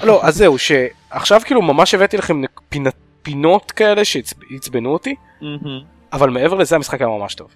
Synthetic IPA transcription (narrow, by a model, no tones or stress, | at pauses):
lo̞ʔazeuʃe̞ | aχʃavkiːlumamaʃevet̪ilaχe̞mnepina | pino̞tkae̞le̞ʃet͡sit͡sbenuoti | avalmeevelezeamisχakajamamaʃto̞v